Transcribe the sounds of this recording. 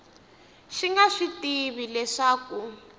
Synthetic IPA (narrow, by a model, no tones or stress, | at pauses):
ʃiŋɡaʂitiβilɛʂaːku